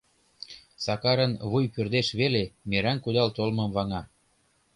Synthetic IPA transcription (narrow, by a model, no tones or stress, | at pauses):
sɑkɑɾənβujpørd̪eʃβelemeɾænkud̪ɑlt̪olmɤ̆mβɑŋɑ